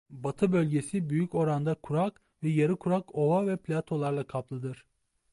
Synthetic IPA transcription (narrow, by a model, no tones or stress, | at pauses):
bat̪ʰɯbø̞lʲɟe̞sibyjyco̞ɾand̪akʰuɾak | vɛjaɾɯkʰuɾako̞vavɛplʲat̪ʰo̞lˠaɾlˠakʰaplˠɯd̪ɯɾ̥